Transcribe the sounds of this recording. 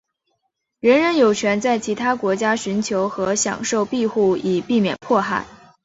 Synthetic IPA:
ɻə˧˥nɻə˧˥njo˨˩ʊt͡ɕʰɥɛ˧˥nt͡sa˥˩ɪt͡ɕʰi˧˥t̪ʰa˥kwɔ˧˥t͡ɕja˥ɕy˧˥nt͡ɕʰjo˧˥ʊxɤ˧˥ɕjɑ̰˨˩ŋʂo˥˧ʊpi˥˧xu˥˩i˨˩pi˥˩mjɛ̰˨˩npʰwɔ˥˧xa˥˩ɪ

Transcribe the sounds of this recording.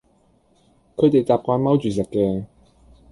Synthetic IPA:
kʰə˨˧˥t̪e˨˩jt̪aː˨p̚kʷwaː˧nma˥wt͡ɕyː˨˩sə˨˩kkːɛ˧

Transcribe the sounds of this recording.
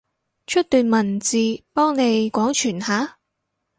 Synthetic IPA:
t͡ʃʰɵ˥t̚t̪yː˨˧nmɐ˨˩nt͡siː˨˧pɔː˥ŋne˨˧jkʷɔː˨˥ŋt͡ʃʰyː˨˩nhaː˨˥

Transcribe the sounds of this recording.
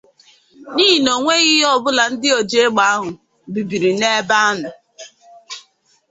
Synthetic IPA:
niː˦ɦi˨no˨ŋʷe˦ɣɪ˦ɦɔ˦bʊ˦la˨n̩˦dɪ˦o˨d͡ʒe˦ɡ͡ba˨˦a˦ɦʊ˨ | bi˨bi˨ɾi˨ne˦ba˦a˦nʊ˨

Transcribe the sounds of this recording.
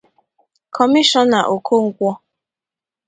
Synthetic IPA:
kʰɔ˨mi˦ʃɔ˦na˨ʔo˨kʰo˦ŋ̩˦kʷɔ˦

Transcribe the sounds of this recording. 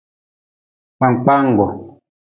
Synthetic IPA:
k͡pa˨ŋ˨k͡pa˦ŋ˨ɡɔ˨

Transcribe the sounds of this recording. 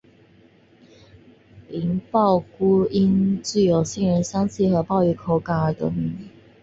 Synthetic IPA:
li˧˥ŋpɑ˥˩ʊku˥i˦˥nt͡ɕy˥˩jo˨˩ʊɕi˥˩ŋɻə˧˦nɕjɑ˥ŋt͡ɕʰi˥˩xɤ˧˥pɑ˥˧ʊy˧˩kʰo˥˩ʊka˨˥˦d̪ə̰˨˩˨

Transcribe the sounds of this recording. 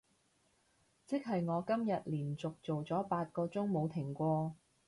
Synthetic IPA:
t͡sɪ˥k̚ɦɐ˨jŋɔː˨˧kɐ˥mjɐ˨t̚liː˨˩nt͡sʊ˨k̚t͡so˨wt͡sɔː˨˥paː˧t̚kɔː˧t͡sʊ˥ŋmo˨˧wt̪ʰɪ˨˩ŋkʷɔː˧

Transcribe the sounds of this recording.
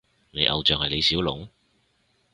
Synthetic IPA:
ne˨˧jʔɐ̰˨wt͡ʃœː˨ŋhɐ˨jle˨˧jsiː˨˥wlʊ̰˨˥ŋ

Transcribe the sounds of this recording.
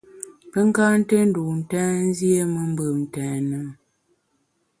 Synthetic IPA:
pə˦ŋ˦ka˦n̩˦te˦n̩˦du˨n̩˨tɛː˦n̩˦zje˦mə˨m˦bə˨mn̩˨tɛː˨nə˨˦m

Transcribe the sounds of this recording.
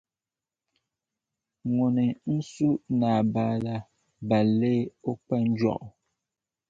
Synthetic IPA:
ŋo˨ni˨n̩˦su˦na˨baː˦la˦ | ba˨leː˦o˦k͡pɛ˦n̩˦d͡ʒwɔ̰˦˨ʔ

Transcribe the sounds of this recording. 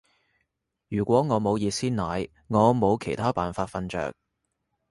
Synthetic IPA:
jyː˨˩kʷɔː˨˥ŋɔː˨˧mo˨˧wjiː˧t̚siː˥nnaː˨˥j | ŋɔː˨˧mo˨˧wkʰe˨˩jt̪ʰaː˥paː˨nfaː˧t̚fɐ˧nt͡ʃœ̰ː˨k̚

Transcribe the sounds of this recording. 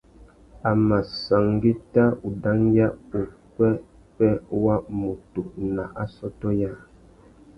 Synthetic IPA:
a˨ma˨sa˨ŋɡi˦ta˦u˨da˦ŋja˦u˨kɛ˦ | pɛ˦wa˦mu˨tu˨na˨ʔa˦sɔ˦tɔ˦ja˦˨

